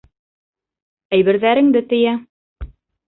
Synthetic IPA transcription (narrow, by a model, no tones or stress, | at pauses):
æjβɘ̆ɾðæɾɘ̆ŋd̪ɘt̪ɘ̆jæ